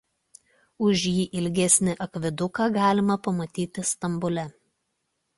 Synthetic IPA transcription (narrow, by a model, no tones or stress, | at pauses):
ʊʒʲjiːʔɪlʲɡʲɛsʲnʲɪʔɐkʲʋʲɪd̪ʊkɑːɡɑːlʲɪmɐpɐmɐt̪ʲiːt̪ʲɪst̪ɐmbʊlʲɛ